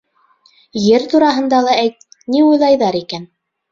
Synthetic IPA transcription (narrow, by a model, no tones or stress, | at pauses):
jɘɾt̪uɾɑɦɤ̆nd̪ɑlˠɑæjt̪̚niujlˠɑjðɑɾikæn